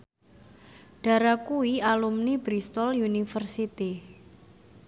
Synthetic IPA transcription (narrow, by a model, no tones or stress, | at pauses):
ɖ̥a̤ɾakuialumnibɾist̪ɔljunifərsit̪i